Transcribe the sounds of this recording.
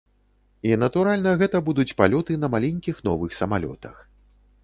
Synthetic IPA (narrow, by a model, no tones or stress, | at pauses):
inɐt̪uɾalʲnɐɣɛt̪ɐbud̪ut͡sʲpalʲɔt̪ɨnɐmalʲɛnʲkʲixnɔvɨxsɐmalʲɔ̰t̪ɐx